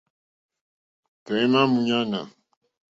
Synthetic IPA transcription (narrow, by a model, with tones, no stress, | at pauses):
tɛ˨i˦ma˦mu˨ɲa˦na̰˨